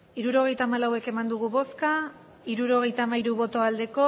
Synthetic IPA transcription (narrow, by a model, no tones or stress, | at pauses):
iɾuɾo̞ɣ̞e̞jt̪aːmalawe̞ke̞mand̪uɣ̞uβo̞ska | iɾuɾo̞ɣ̞e̞jt̪aːmaiɾuβo̞t̪o̞ald̪e̞ko̞